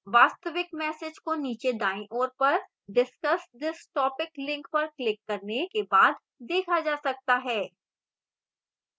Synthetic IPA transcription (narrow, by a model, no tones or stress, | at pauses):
ʋaːst̪əʋɪkmɛːsɪd͡ʒkoniːt͡ʃed̪aːɪ̃ʔoːɾpɐɾ | ɖɪskəsd̪ɪsʈɔːpɪklɪ̃ŋkpɐɾklɪkːɐɾnekebaːd̪ | d̪eːkʰad͡ʒaːsɐk̚t̪aɦɛː